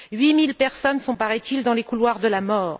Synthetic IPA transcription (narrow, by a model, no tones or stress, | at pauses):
ɥimilpɛʁsɔnsɔ̃paʁɛt̪ild̪ɑ̃lekulwaʁd̪əlamɔːʁ